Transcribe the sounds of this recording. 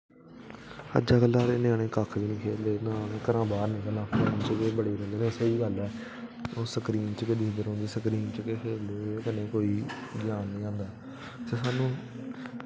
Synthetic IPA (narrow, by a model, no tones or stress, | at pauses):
ə̰d͡ʒaːkəlːaːɾeːnẽaːɽ̃ẽːkakʰːʋiːnĩːkʰeːld̪eːnãːneːkəɾãːbaːɾnẽːkənãːpʰəɾəmt͡ʃəkeːbəɽeːɾəleːnẽsəiːɡəlɛː | oːsəkɾiːnt͡ʃkɪd̪iːd̪əɾɦõːnd̪eːsəkɾiːnt͡ʃkekʰeːloːeːkənẽːkoːiːɡɪjaːnːĩːãːnd̪aː | t̪eːsaːnũː